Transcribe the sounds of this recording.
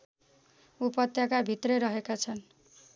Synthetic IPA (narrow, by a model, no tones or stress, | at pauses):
upʌt̪jakabʱit̪rʌɾʌɦekat͡sʰʌn